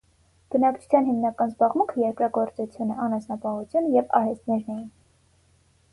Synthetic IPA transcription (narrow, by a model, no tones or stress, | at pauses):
b̥ənɑkt͡ʃʰu̥t͡sʰjɑnɦimnɑkɑnzbɑʁmuŋkʰəjɛɾkɾɑɡɔɾt͡sut͡sʰjunəɑnɑsnɑpɑhut͡sʰjunəjɛvɑ̰hɛst̪nɛɾnɛjin